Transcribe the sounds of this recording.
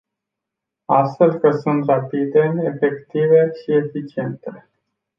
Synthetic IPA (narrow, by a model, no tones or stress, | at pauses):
ast̪fe̞lkəsunt̪rapid̪e̞ːfe̞kt̪ive̞ʃie̞fit͡ʃie̞nt̪e